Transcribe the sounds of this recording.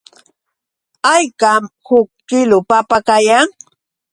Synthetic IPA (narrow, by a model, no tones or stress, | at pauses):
ajkamhʊk̚kɪlʊpapakajaŋ